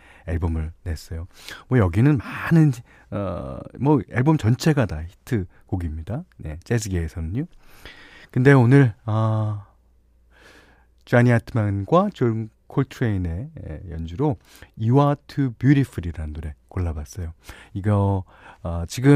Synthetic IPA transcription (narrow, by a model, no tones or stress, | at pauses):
eɭbomɯɭne̞s͈ʌjomwʌjʌɡinɯnmanɯn | ʌ̰mʌeɭbomt͡ɕʌnt͡ɕʰe̞ɡadaçi̥tʰɯ | koɡimɲidane̞t͡ɕ͈es̬ʰɯɡeːsʰʌnɯɲo | kɯnde̞onɯɭʌ | t͡ɕaɲiatʰɯmanɡwat͡ɕon | kʰoɭtʰɯɾeine̞jʌnd͡ʑuɾo | iwatʰɯbjuɾipʰɯɾiɾanduɾe̞koɭːabas͈ʌjoiɡʌ | t͡ɕiɡɯ